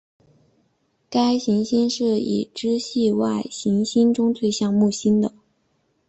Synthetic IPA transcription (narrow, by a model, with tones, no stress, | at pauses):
ka˥ɪɕi˧˥ŋɕi˥nʂɻ̩˥˩ḭ˨˩ʈ͡ʂɻ̩˥ɕi˥˧wa˥˩ɪɕi˧˥ŋɕi˥nʈ͡ʂʊ˥ŋt͡s̪ʰwe˥˧ɪɕjɑ˥˧ŋmu˥˩ɕi˥nd̪ə˨